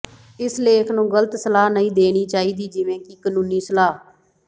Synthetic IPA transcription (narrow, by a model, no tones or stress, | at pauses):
ɪsleːkʰnũːɡələt̪səlaːnəĩːd̪eːɽ̃iːt͡ʃaːiːd̪iːd͡ʒɪʋẽːkikənũːniːsəlaː